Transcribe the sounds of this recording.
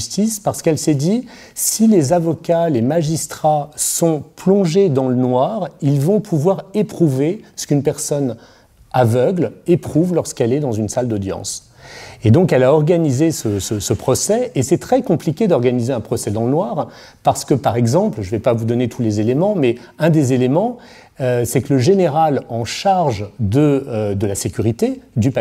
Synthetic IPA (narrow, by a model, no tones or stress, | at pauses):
st̪ispaʁsə̥kɛlsɛd̪i | silezavɔkalemaʒist̪χasɔ̃plɔ̃ʒed̪ɑ̃lənwaʁilvɔ̃pʰuvwaʁepχuvesə̥kynpɛʁsɔn | avœɡlepχuvlɔʁsə̥kɛlɛd̪ɑ̃zynsald̪ɔd̪jɑ̰̃s | ed̪ɔ̃kɛlaɔʁɡanizesəsəsəpχɔsɛesɛt̪χɛkɔ̃plikʲed̪ɔʁɡanizeɛ̃pχɔsɛd̪ɑ̃lənwaʁ | paʁsə̥kəpaʁɛɡzɑ̃plʒəvɛpavud̪ɔnet̪ʰulezelemɑ̃mɛ | ɛ̃d̪ezelemɑ̃ | øsɛkələʒeneʁalɑ̃ʃaʁʒd̪əd̪əlasekʲyʁit̪ed̪ypa